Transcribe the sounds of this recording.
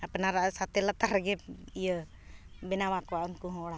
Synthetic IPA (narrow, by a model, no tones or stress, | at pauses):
ɐpnaɾasat̪elət̪aɾɡeijə | bɪnawakwaʊnkuɦoɽa